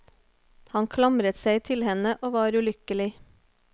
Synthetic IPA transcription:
hɑnkʰlɑmɾət̪sæɪt̪ʰɪlhɛnəʔoːʋɑːɾʉːlʏkəlɪ

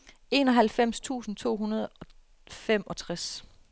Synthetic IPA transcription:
e̝ːnɒ̽ɦælfem̰st͡sʰṵːsn̩t͡sʰo̝̰ːɦunɐð̞ˠɒ̽ | fem̰ɒ̽t͡sʰʁas

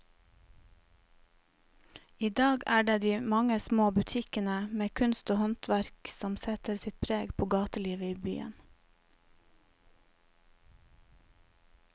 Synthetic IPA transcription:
iːd̪ɑːɡæːɖeːd̪iːmɑŋəsmoːbʉt̪ʰɪkənəmeːkʰʉnst̪oːhɔnt̪ʰʋæɾksɔmsɛt̪əɾsɪt̪̚pʰɾeːɡpʰoːɡɑːt̪əliːʋəiːby̰ːə̰n

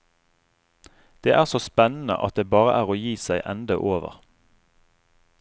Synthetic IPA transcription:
d̪̥eːʔæːʁsoːspɛnn̩ə̰ʔɑt̪̚d̪eːbɑːʁəʔæːʁoːjiːsæɪʔɛnd̪əʔoːʋə̰ʁ

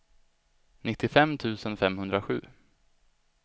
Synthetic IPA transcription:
nɪt̪ːɪfɛmːt̪ʰʉ̟ːsənfɛmhɵnd̪ɾaɧʉ̟̰ː

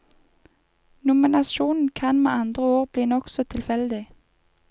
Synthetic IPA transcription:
nʊmɪnɑʃuːnn̩kʰɑnmeːɑnd̪ʁəoːʁbliːnɔksɔt̪ʰɪlfɛld̪ɪ

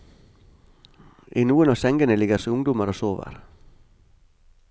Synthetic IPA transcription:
ʔiːnuːənɑːsɛŋɡənəlɪɡəɾsoʊŋd̪ʊməɾoːsoːʋə̰ɾ

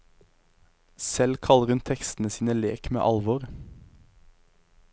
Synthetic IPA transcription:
sɛlkʰɑləʁhʉnt̪ʰɛkst̪n̩əsiːnəleːkmḛːʔɑlʋɔʁ

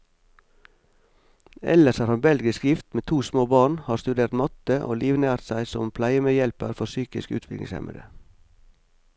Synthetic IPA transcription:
ɛ̰ləʃhɑːɾhɑnbɛlɡɪskjɪft̪meːt̪ʰuːsmoːbɑːɳhɑːɾst̪ʉd̪eːɾt̪mɑt̪əʔo̰ːliːʋnæːɾt̪sæɪsɔmpʰlæɪəmeːjɛlpəɾfɔɾsyːkɪskʉ̰ːt̪ʰʋɪklɪ̰ŋsɛ̰mə̰d̪ə̰

